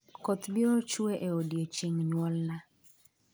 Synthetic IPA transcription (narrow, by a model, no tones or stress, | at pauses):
kɔt̪bjɔt͡ʃueʔeodjet͡ʃeŋɲwɔlna